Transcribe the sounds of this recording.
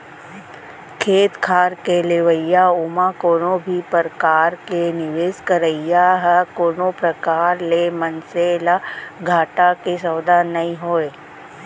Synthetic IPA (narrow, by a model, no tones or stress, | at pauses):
kʰeːt̪kʰaːɾkeleʋəjaʊmakoːnõbʱipəɾkaːɾkenɪʋeːskəɾəɪjaɦɛkoːnopɾəkaːɾlemənseːlaɡʱaːʈakesəːd̪anɐĩɦoːeː